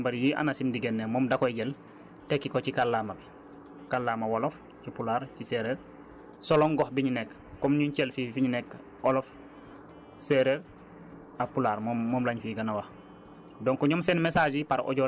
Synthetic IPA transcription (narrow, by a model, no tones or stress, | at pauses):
mbaɾjiʔa̰nasimdiɡɛnːemɔmdakojɡɛl | tekːikocikalːamabi | kalːamawolof | cipulaɾciseɾeɾ | sɔlɔŋɡɔhbiɲinɛkː | ɔmɲuɲcɛlfifiɲinɛk | ʔolɔf | seɾeɾ | apulaːɾmɔːɔːmlaɲfiɡanawax | dɔŋkɔɲɔmsɛnmesaːd͡ʒipaɾɔ̰ɟɔ